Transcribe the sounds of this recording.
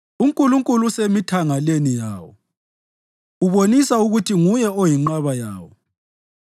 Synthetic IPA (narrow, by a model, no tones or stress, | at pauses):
uŋkʼuluŋkʼulusemitʰaŋalenija̰ːwɔ̰ | uβonisauɣutʰiŋujɛojiŋ͡ǃaβaja̰ːwɔ̰